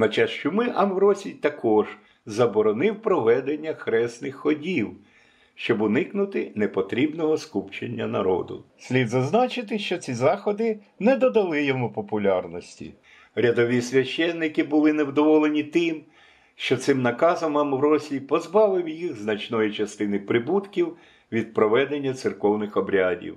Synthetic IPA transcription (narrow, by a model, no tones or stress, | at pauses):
nɐt͡ʃɑt͡ʃʊmɪʔɐmʋɾɔsʲijt̪ɐkɔʒ̥ | zɐbɔɾɔnɪwpɾɔʋɛd̪enʲːɐxɾɛsnɪxːɔdʲiw | ʃt͡ʃɔbʊnɪknʊt̪ɪnepɔt̪ɾʲibnɔɦɔskupt͡ʃenʲːɐ̰nɐ̰ɾɔ̰d̪ʊ̰sʲlʲid̪zɐznɑt͡ʃɪt̪ɪʃt͡ʃɔt͡sʲizɑxɔd̪ɪ | nɛd̪ɔd̪ɐlˠɪjɔmupɔpʊlʲarnɔsʲtʲḭ | ɾʲɐd̪ɔʋʲisʲʋʲɐʃt͡ʃːɛnːɪkɪbʊlˠɪnewd̪ɔʋɔlˠenʲit̪ɪm | ʃt͡ʃɔt̪sɪmnɐkɑzɔmɑmwɾɔsʲlʲipɔzbɑʋɪwjiɣznɐt͡ʃnɔjit͡ʃɐst̪ɪnɪpɾɪbut̪kʲiw | ʋʲid̪̚pɾɔʋɛd̪enʲːɐt̪sɪrkɔwnɪxɔbɾʲadʲḭw